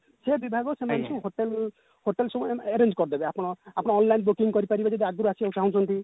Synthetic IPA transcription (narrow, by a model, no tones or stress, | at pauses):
sebibʱaɡɔsemansʰũɦoʈel | hoʈelsɔbeɾend͡ʒkɔɾd̪ebeapɔɽ̃ɔapɔɽ̃ɔːnlajnbukiŋkɔɾipaɾibad͡ʒad̪iaɡɔɾuasiaũt͡ʃaɦũt͡ʃʰɔnt̪i